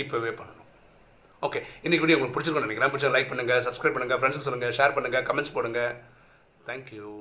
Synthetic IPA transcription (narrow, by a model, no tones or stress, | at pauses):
ɪpːɐʋeːpɐɳːɐɳʊ̃ | oːkeːɪnːɪkːɪpɐɽiʊŋɡɐɭk̚ːpʊɽɪt͡ʃːɪɾɯkːnɐnɛkːɾãːp̬ʊɽɪt͡ʃːɐ̃ɡɐlɐɪk̚pɐɳːɯŋɡɐsɐbskɾɐɪpɐɳːɯŋɡɐfɾɛɳɖskːsɔlːɯŋɡɐʂeːɾpɐɳːɯŋɡɐkɐmɛɳʈspoːɽɯŋɡɐ | t̪ʰaːŋkju